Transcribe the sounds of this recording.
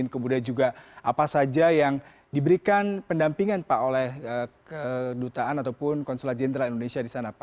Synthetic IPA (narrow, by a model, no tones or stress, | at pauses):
ɪnkəmudaad͡ʒuɡaʔapasad͡ʒajaŋ | dibəɾikanpəndampiŋanpaʔolɛhəkədut̪aʔanat̪awpʊnkɔnsolat̪̚d͡ʒɛndɾalindonesiadisanapa